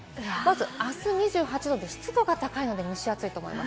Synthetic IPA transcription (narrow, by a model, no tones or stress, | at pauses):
mazɨasɨɲ̟iʑɨːɦat͡ɕid̪o̞d̪e̞ɕi̥t͡sɨd̪o̞ɡat̪akaino̞d̪e̞mʲiɕiat͡sɨit̪o̞ːmo̰ḭmʔa̰s